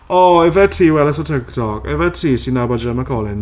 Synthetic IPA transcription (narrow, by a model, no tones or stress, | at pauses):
ɔɛvɛtʰiːwɛlɛsɔtʰɪktʰɔkɛ̰vɛtʰiːsinabad͡ʒəmakʰɔlˠɪn